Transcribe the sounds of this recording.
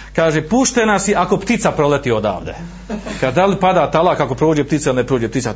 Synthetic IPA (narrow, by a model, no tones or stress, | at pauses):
kaːʒepuʃt̪enasiʔako̞pt̪it̪sapɾolet̪iːod̪a̰ːʋd̪ḛ | kad̪alipad̪aːt̪alˠaːkako̞pɾoːd͡ʑept̪it̪sailinepɾoːd͡ʑept̪it̪sa